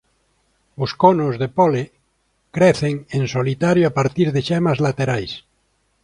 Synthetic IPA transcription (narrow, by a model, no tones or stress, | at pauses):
oskonozðepole | kɾeθeŋensolit̪aɾjoapaɾt̪iɾðeʃemazlat̪eɾajs